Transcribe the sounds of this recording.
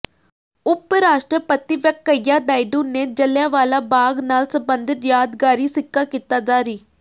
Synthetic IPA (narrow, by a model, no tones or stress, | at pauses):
ʊpɾaːʃʈɾəpət̪iːʋɛkːəjaːd̪aːiɖũːneːd͡ʒəljaːʋaːlaːbaːɡnaːlsəbənd̪ɪt̪jaːd̪ɡaːɾiːsɪkːaːkiːt̪aːd̪aːɾiː